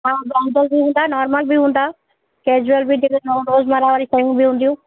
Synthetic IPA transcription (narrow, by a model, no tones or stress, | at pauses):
ɦãːbaːɦd̪əlbʱiɦũːn̆d̪anɔːɾməlbʱiɦũːn̆d̪aː | keːd͡ʒʊəlbʱid̪ɪknoːɖoːzmaɾaʋaɾisaijũbʱiɦũnd̪ijũː